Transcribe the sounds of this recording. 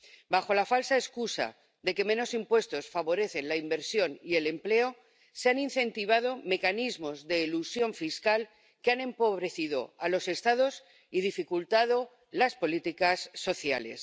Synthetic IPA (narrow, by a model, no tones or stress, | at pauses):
baxo̞lafalsaeskusa̰ | ðe̞ke̞meno̞simpwe̞st̪o̞sfaβo̞ɾe̞θe̞nlaimbe̞ɾsjo̞nie̞le̞mple̞o̞ | seaninθẽ̞nt̪iβ̞að̞o̞me̞kanizmo̞zðe̞ːlusjo̞ɱfiskal | keanẽ̞mpo̞β̞ɾe̞θið̞o̞̰alo̞se̞st̪að̞o̞s | iðifikult̪að̞o̞ | laspo̞lit̪ikasːo̞θja̰le̞̰s